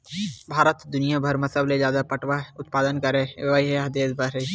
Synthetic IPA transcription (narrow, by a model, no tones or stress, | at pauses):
bʱaːɾət̪d̪ʊnijabʱəɾmɐsəbled͡ʒjaːd̪apɐʈʰwaʊt̪̚paːd̪ənkəɾẽʋaiɦɛɦɐd̪eːsbʱɐɾe